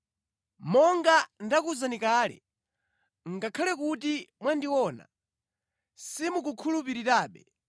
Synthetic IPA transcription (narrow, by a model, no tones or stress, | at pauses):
mɔŋɡandakuzanikaːlɛ̰ | ŋɡakʰalɛkutimwandiwɔna̰ | simukukʰulupiɾitaːɓɛ